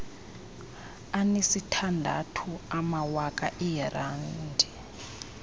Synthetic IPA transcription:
anesitʰandʱa̰tʰuamawakʼaʔɛjɛrandʱɛ

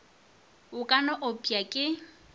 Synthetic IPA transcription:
ʊkʼanɔʔopʼiakʼɪ

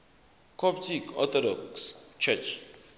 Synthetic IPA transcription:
kʰɔptikɔ̰t̪ɔdɔkst͡ʃɛt͡ʃ

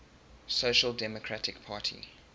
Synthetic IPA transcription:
soʊʃəlˠdɛmɔkʰɹatʰɪkpʰaːˑtʰḭ

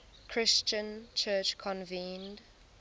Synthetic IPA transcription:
kʰɹ̥ɪst͡ʃə̃nt͡ʃʰɜˑt͡ʃkʰɔ̃nvĩːnd

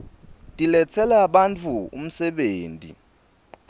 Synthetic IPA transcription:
tʼilɛt͡sʰɛlaɓant͡fʰuṵm̩sɛɓeːntʼḭ

